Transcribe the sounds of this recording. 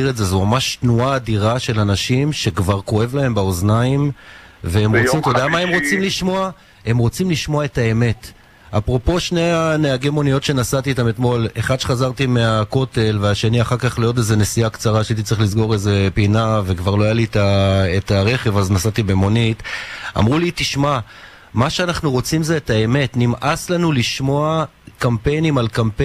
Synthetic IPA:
iʁeze̞zumamaʃtnuaːd̪iʁaʃe̞lanaʃimʃe̞kvaʁko̞evlae̞mbaoznaim | veemʁot͡simt̪od̪eamae̞mʁo̞t͡simliʃmo̞a | e̞mʁo̞t͡simliʃmo̞ae̞tae̞me̞t | apʁo̞po̞ʃne̞aneaɡemo̞nijo̞t̪ʃe̞nasat̪it̪ame̞t̪mo̞le̞χadʃeχazaʁt̪ime̞ako̞te̞lveaʃe̞niaχaʁkaχlijo̞t̬e̞ze̞nesiakt͡saʁaʃeitit͡sʁiχlizɡo̞ʁeze̞pinave̞kvaʁlo̞ajalitaetaʁe̞χe̞vaznasatibemo̞nita̰mʁulitiʃma | maʃeanaχnuʁo̞t͡simzeːtae̞me̞tnimʔaslanuliʃmo̞a | kampe̞jnimalkampe

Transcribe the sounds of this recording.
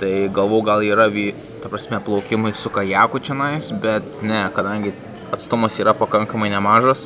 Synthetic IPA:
t̪ɐɪɡɐlˠʋoːjʊɡɐlˠiːɾɐʋʲiː | t̪ɐpɾɐsʲmʲɛplˠɒʊkʲɪmɐɪsʊkɐjæːkʊt͡ʃʲɪnɐɪsbʲɛt̪nʲɛkɐd̪ɐŋʲɡʲɪ | ɐt̪st̪ʊmosiːɾɐpɐkɐŋkɐmɐɪnʲɛmɑːʒoːs

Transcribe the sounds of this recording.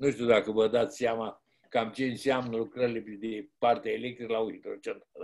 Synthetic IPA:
nuʃt̪iud̪akəvəd̪at̪sʲseama | kamt͡ʃe̞ɨnseamnəlukɾəɾileed̪epart̪eaelek̚t̪ɾikəlauhit̪ɾot͡ʃent̪ɾal

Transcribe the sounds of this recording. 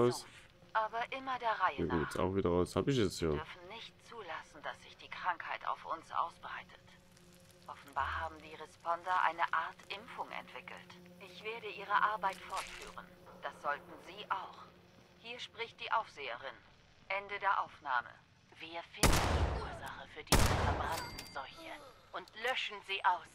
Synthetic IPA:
ʊs | ʔaːbɐʔɪmɐdeːɐʁaɪəɡeːsa̰ʊxv̥iːdɐʁaʊshaːbɪçɛt͡soːʏɐfn̩nɪçt̚t͡suːlasn̩d̥asz̥ɪçd̥iːkʁ̥aŋkhaɪta̰ʊfʔʊ̰nsʔa̰ʊsb̥ʁaɪtʰə̥t | ʔɔfn̩baːɐhaːbm̩viːɐʁɛspɔndɐʔa̰ɪnəʔaɐtʔɪmfʊŋʔɛ̰ntv̥ɪkl̩tʔɪçv̥eːɐɾəʔiːʁ̞əʔaɐbaɪtfɔɐtfy̰ːʁən | d̥asz̥ɔltn̩ziːʔaʊx | hiːɐʃpʁ̥ɪçt̚d̥iːʔaʊfz̥eːəʁɪn | ʔɛndədeːɐʔaʊfna̰ːmə̰ | viːɐfɪndn̩d̥iːʔuːɐzaχəfyːɐdiːviɐfɛɐbʁantn̩zɔlçəʔʊntlœʃn̩ziːʔaʊs

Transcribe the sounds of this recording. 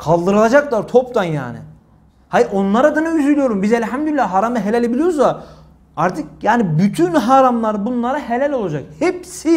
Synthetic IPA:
kʰalˠd̪ɯɾɯlˠad͡ʒaklˠaɾt̪ʰopt̪anja̰ːnɪ̰ | haʔo̞nlˠaɾad̪anɯyzylʲijo̞ɾumbizɛlʲɦamd̪ylʲːaɦaɾamɯɦelʲælʲebilʲijoɾuza | aɾt̪ʰɯkjaːnibyt̪ʰynɦaɾamlˠaɾbunlˠaɾaɦe̞lʲælʲo̞lˠad͡ʒakhepsi

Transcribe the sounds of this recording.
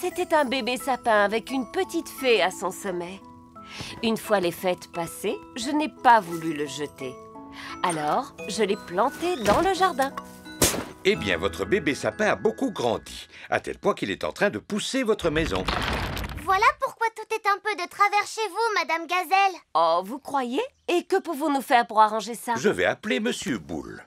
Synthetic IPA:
set̪ɛt̪ɛ̃bebesapɛ̃avɛkynpət̪it̪feasɔ̃sɔmɛ | ynfwalefɛt̪paseʒənɛpavulyləʒət̪e | alɔʁʒəlɛplɑ̃t̪ed̪ɑ̃ləʒaʁd̪ɛ̃ | ebjɛ̰̃vɔt̪χəbebesapɛ̃abokuɡʁɑ̰̃d̪ia̰t̪ɛ̰lpwɛ̃kilɛt̪ɑ̰̃t̪χɛ̃d̪əpusevɔt̪χəmɛzɔ̰̃ | vwalapuʁkwat̪ut̪ɛt̪ɛ̃pød̪ət̪χavɛʁʃevumad̪amɡazɛlɔvukχwajeː | kəpuvɔ̃nufɛʁpuʁaʁɑ̃ʒesaʒəvɛ̰apleməsjøbṵl

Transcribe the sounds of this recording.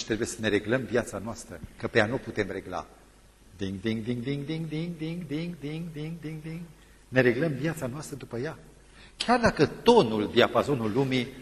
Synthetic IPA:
t̪ɾe̞buje̞səne̞ɾe̞ɡləmvjat̪sanoast̪ɾəkəpeanowput̪e̞mre̞ɡla̰ | d̪iŋɡd̪iŋɡd̪iŋɡd̪iŋɡd̪iŋɡd̪iŋɡd̪iŋɡd̪iŋɡd̪iŋɡd̪iŋɡd̪iŋɡd̪iŋɡ | ne̞ɾe̞ɡləmvjat̪sanoast̪ɾəd̪upəja | kʲard̪akət̪o̞nuld̪iapazo̞nulːumi

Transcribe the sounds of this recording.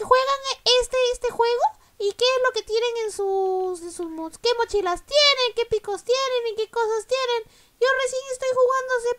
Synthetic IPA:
kexwe̞ɣaŋest̪eest̪exweɣo | ikeezlo̞ke̞t̪jeneŋensusensusmokemot͡ʃilast̪je̞neŋke̞pikost̪jenenikekosast̪jenen | jo̞resje̞ŋest̪o̞jxuɣand̪os̬e

